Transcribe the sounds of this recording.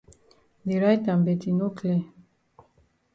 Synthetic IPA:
de˨ɾa˦jtã˨mbɛ˨ti˨no˦kʰlɛ˦

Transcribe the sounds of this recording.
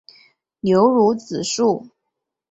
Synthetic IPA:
ljo˧˥ʊɻu˧˥t͡sɹ̩˨˩ʂu˥˩

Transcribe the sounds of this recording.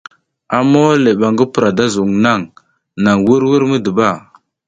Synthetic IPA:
a˨mo˦le˨ɓa˨ŋɡə˦pə˨ɾa˨da˦zu˨ŋna˦˨ŋ | na˨ŋwi˦ɾwə˦ɾmə˦də˨ba˦˨

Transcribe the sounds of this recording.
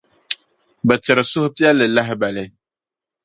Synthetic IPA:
bɨ˨tɪ˨ɾɨ˨sʊ˦hʊ˦pi˦ɛ˦lːɨ˨la˦ɦɪ˦ba˨lɪ˦

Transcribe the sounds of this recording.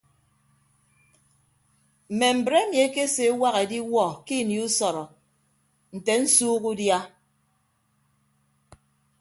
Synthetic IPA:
m̩˨me˨m̩˨bɾe˦mje˨˦ke˦se˨˦wa˦ɣe˨di˦wɔ˦˨ki˦˨ni˨u˦sɔ˨ɾɔ˨ | n̩˨te˨n̩˦suː˦ɣu˦dja˦

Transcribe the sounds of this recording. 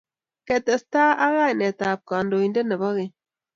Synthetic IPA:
kɛ˨tə˨staː˦ʔa˦ɣa˦jnɛ˨ta˨p̚ka˨ndo˨i˨nde˦nə˨ba˦ɣe˨

